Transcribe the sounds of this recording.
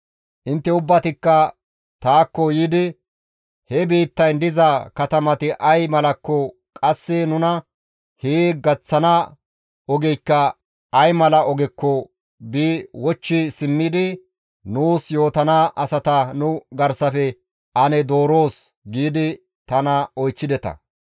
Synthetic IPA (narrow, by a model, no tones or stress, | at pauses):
ʔɪnt̪ːɛʊbːɐt̪ɪkːɐ | t̪aːkːɔjiːd̪ɪ | hɛbiːt̪ːɐjnd̪ɪzɐkɐt̪ɐmɐt̪ɪʔɐjmɐlɐkːɔ | kʼɐsːɛnʊnɐ | heːɡɐt͡sːɐnɐ | ɔɡɛjkːɐ | ɐjmɐlɐɔɡɪkːɔ | biːwɔt͡ʃːɪsɪmːɪd̪ɪ | nuːsjo̞ːt̪ɐnaʔɐsɐt̪ɐnʊɡɐɾsɐfɛ | ʔɐnɛd̪o̞ːɾo̞ːs | ɡiːd̪ɪ | t̪ɐnɐɔjt͡sːɪd̪ɛt̪ɐ̰